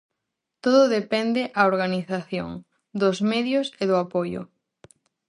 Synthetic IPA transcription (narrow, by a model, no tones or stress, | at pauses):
t̪oðʊðepɛnd̪eʔaoɾɣaniθaθjo̰ŋ | d̪ʊzmɛðjʊseðʊapojʊ̰